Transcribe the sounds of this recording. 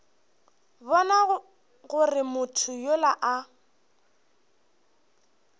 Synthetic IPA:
bɔna | ɣʊrɪmʊtʰʊjolaʔa

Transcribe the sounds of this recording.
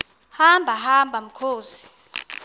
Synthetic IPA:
hambʱaɦambʱam̩kʰoːsi̥

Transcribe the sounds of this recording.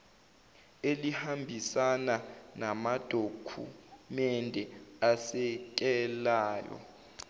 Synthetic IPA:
elihambʱisananamad̥ʱokʰṵmɛndʱɛasɛk̬ʼɛlaːjɔ̰

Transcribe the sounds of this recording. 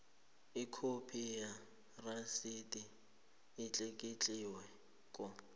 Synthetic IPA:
ɪkʰopʰija | rasitʼiː | t͡ɬʼekʼit͡ɬʼiwɛ | kʼʊ

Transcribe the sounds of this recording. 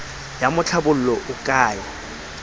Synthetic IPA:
jamʊt͡ɬʰabʊl̩lɔʔʊkʼaːjɔ

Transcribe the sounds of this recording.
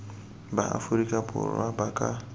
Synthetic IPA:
baʔa̰fuɾikʼapʊ̰ɾabakʼa

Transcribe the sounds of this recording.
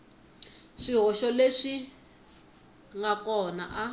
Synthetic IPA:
ʂiɦɔʃɔleʂi | ŋɡakɔna̰ʔa

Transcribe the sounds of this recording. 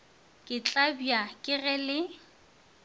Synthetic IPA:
kʼɪt͡ɬʼabjakʼɪɣɛlɪ

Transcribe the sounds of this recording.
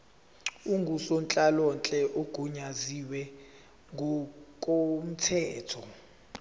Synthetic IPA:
uŋɡʱusont͡ɬʼalɔnt͡ɬʼɛʔoɡ̥ʱuɲaziwɛ | ŋʱɔkʼom̩tʰɛːtʰɔ

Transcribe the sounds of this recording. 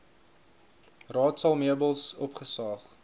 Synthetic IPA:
rɑːtsɐlˠmiəbəlˠsɔpχəsɑːχ

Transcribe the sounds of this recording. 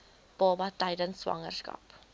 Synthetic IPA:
b̥ɑːbɐtəjdənsːvɐ̰ŋə̰rskɐ̰p

